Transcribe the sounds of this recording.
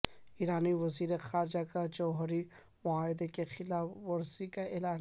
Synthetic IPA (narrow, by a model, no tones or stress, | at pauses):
iːɾaːniʋɐziːɾexaːɾɪd͡ʒakad͡ʒɔːɦɾi | mʊaːɦɪd̪ekexɪlaːfːɐɾsikaeːlaː